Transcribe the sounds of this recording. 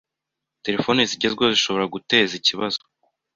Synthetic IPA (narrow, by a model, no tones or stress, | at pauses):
te̞ɾe̞fo̞ːneziɟe̞zɡweziʃo̞βo̞ɾaɡute̞ːziciβazo